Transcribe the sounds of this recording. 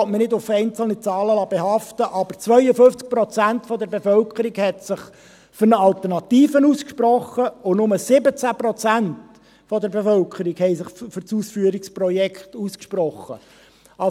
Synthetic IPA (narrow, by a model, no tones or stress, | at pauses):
tmənɪdʊfɛɪnt͡sl̩nit͡sɑːləlɑb̥ehɑftəʔɑb̥əɾt͡sʋœʏəfʏft͡sk̚prɔt͡sæntfɔd̪əɾbefœlkʰəɾiɡhɛt̪sɪχ | fʏɾnəɑlt̪ərnɑt̪iːfənuskʃpɾɔχːəʊnʊməsɪbət͡sæprɔt͡sænt | fɔd̪əɾbefœlkʰχəɾikhɛɪsɪχfʏɾt͡suːsfyːəɾiksprɔjɛkʰtuskʃprɔχːə̰ | ɑ